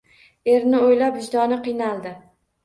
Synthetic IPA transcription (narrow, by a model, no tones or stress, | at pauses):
e̞ɾnɪojlapɪʃd̪ɒnɪqɨjnalˠd̪ɪ